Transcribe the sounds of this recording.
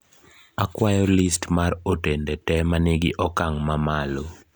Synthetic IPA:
akwajɔlɪstmaɾotendetɛmanɪɡɪʔɔkaŋmamalo

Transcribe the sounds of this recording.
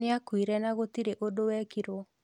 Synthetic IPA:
ɪakwiɾɛnaɣotiɾeʔodowɛkiɾo

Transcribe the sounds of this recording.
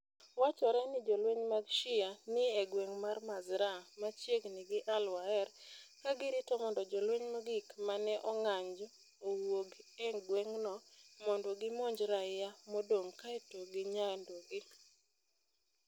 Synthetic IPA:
wat͡ʃɔɾɛnɪd͡ʒɔlweɲmaɡʃɪanɪeɡweŋmarmazɾamat͡ʃjeɡnɪɡɪʔalwaɛɾkaɡɪɾɪtɔmɔndɔd͡ʒɔlweɲmaɡɪkmanɛʔɔŋaɲd͡ʒɔː | woɡeɡweŋnɔmɔndɔɡɪmoɲd͡ʒɾaɪjamɔdoŋkaɛtoɡɪɲandoɡɪ

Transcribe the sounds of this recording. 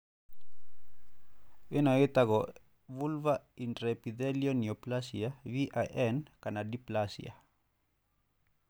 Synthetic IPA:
enoet̪aɣo | βulvainɾepiðeljonioplasiaβiʔaʔenkanadiplasḭa̰

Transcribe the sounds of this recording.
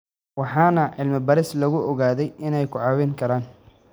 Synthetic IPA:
wɑħɑːnɐʕɪlmɐbɐɾɪslɐɣʊʔɔɣaːðɛjɪnɛjkʰʊʕɑːwɪŋkʰɐɾaːn

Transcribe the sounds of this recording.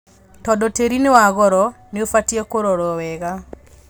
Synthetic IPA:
tɔdɔteɾinewaɣɔɾɔ | neofatiɛkoɾɔɾɔwɛɣa

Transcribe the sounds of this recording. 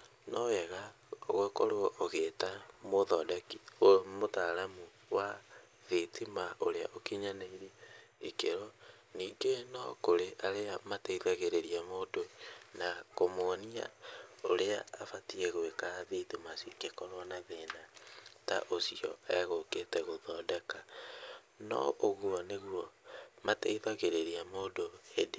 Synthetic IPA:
nɔɛɣa | ɣekɔɾoɔʔoɣetamoðɔdakiomotaɾamu | wa | ðetʰimaʔoɾeaʔokiɲanaiɾeikeɾɔ | niːŋɡenɔ̰koɾeʔaɾeamateiðaɣeɾeɾiamotonakomonia̰oɾea̰ːfatieɣoekaðetimasikekɔɾwanaðenata̰ʔosiɔ̰ɛɣoketɛɣoðɔːdɛka | nɔ̰ʔoɣuɔneɣwɔmateiðaɣeɾeɾiamoːdoede

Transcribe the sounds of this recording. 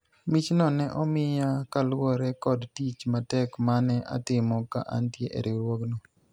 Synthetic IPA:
mit͡ʃnɔnɛʔɔmɪjakalwɔɾɛkɔdtit͡ʃmatɛkmanɛʔa̰t̪ɪmɔka̰ʔa̰ntjeʔḛɾeɾwoknɔ

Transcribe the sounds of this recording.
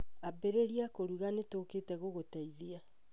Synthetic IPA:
abɛɾeɾiakoɾuɣanetoːkeːtɛɣoɣotaiðia

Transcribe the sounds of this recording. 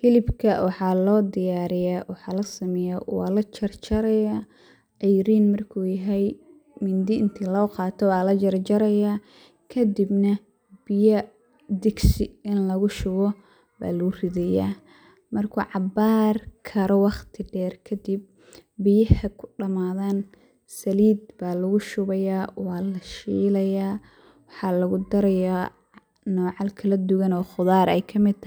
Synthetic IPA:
fɪlɪbkʰɐwɑħɑːlɔːd̪ɪjaːɾɪjawɑħɑːlɐsɐmɛjawɑ̰ːlɐt͡ʃɐrt͡ʃɐɾɐja | ʔɛjɾiːnmɐrkʰuːjɐɦɛj | mɪnd̪ɪnt̪ʰɪlɔːqɑːt̪ʰɔwɑːlɐt͡ʃɐɾt͡ʃɐɾɐjaː | kʰɐd̪ɪbnɐ | b̥ɪjɐ | d̪ɪɡsɪɪnlɐɣʊʃʊɣɔ | ba̰ːlʊɣʊrɪðɛja̰ː | mɐrkʰʊʕɑbaːrkʰɐɾɔwɑχt̪ʰɪɖɛːrkʰɐd̪ib̚ː | ɪjɐhɐkʰʊ̥ɖɐmaːðan | sɐliːd̪baːlɐɣʊʃʊβɐjaːwɑːlɐʃiːlɐjaː | wɑħɑːlɐɣʊd̪ɐɾɐjaː | nɔːʕɑlkʰɐlɐd̪ʊɣɐnɔːχʊðaːɾɛjkʰɐmɪd̪̚t̪ʰ

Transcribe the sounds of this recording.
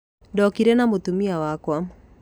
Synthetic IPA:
dɔkiɾɛnamot̪umiawakwa

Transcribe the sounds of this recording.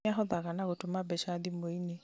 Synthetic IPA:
aɦɔðaɣanaɣotomabɛʃaðimoine

